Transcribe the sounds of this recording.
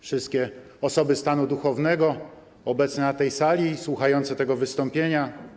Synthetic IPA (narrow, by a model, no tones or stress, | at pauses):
fʂɘst̪̚kʲɛ | ɔsɔbɘst̪anud̪uxɔvnɛɡɔ | ɔbɛt̪snɛnat̪ɛjsalʲiswuxajɔnt̪sɛt̪ɛɡɔvɘst̪ɔmpʲjeɲa